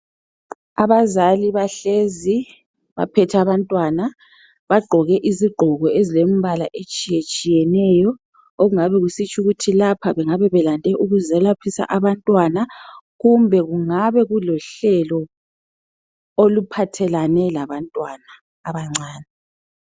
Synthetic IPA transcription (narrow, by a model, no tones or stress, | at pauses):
aβazaliβaɬezi | βa̰pʰɛtʰaβantʼwana | βaɡ͡ǃʱɔɣɛʔiziɡ͡ǃʱɔɣɔezilem̩βalaʔet͡ʃʼijet͡ʃʼijɛnɛjɔ | oɣuŋaβɛɣusit͡ʃʼuɣutʰilapʰaβɛŋaβɛβɛlandʱɛʔuɣuzɛlapʰisa̰ʔaβantʼwanaɣumbʱɛɣuŋaβɛɣulɔɬɛlɔ | olupʰatʰɛlanɛlaβantʼwanaː | βaŋ͡ǀʱaːnɛ